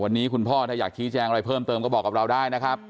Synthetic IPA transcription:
wa˧nːiː˦˥kʰu˧npʰɔː˥˩t̪ʰaː˧˩jaː˨˩k̚t͡ɕʰiː˦˥t͡ɕɛː˧ŋa˧ɾa˧jpʰɤː˥˩mt̪ɤː˧mkɔ˥˩ɔː˨˩kːa˨˩ɾa˧wdaː˥˩jna˦˥kʰɾa˦˥p̚

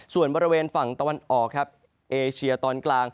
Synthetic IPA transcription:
su˨˩ənbɔː˧ɾi˦˥weː˧nfa˨˩ŋt̪a˧wa˧nʔɔː˨˩kʰɾa˦˥p̚ | ʔeː˧t͡ɕʰi˧ɐt̪ɔː˧nklaː˧ŋ

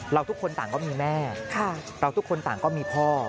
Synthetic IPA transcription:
ɾa˧wt̪ʰu˦˥kʰːo˧nt̪aː˨˩ŋkɔː˥˩miː˧mɛː˥˩kʰa˥˩ | ɾa˧wt̪ʰu˥kʰːo˧nt̪a̰ː˨˩ŋkɔː˥˩miː˧pʰɔː˥˩

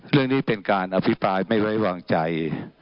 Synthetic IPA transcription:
ɾɯ˥˩əŋniː˥˩pe˧nkaː˧nʔa˧pʰi˦˥pɾaː˧jma˥˩jwa˦˥jwaː˧ŋt͡ɕa˧j

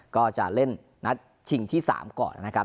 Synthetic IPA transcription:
kɔː˥˩t͡ɕa̰˨˩le˥˩nː | a˦˥t̪̚ | t͡ɕʰi˧ŋt̪ʰiː˥˩sa̰ː˩˦mkɔ̰ː˨˩nːa˦˥kʰa˦˥

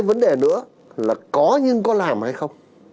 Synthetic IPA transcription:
jvə˨˦nɗe˨˩nɨ̰˧˥ə | laː˨˩kɔ˨˦ɲɨ˧ŋkɔ˨˦laː˨˩mha˧jxə˧wŋ͡m

